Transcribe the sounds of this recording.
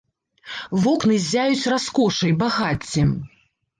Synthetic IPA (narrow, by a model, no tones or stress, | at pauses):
vɔknɨzʲajut͡sʲraskɔʂɐjbaɣat͡sʲːɛ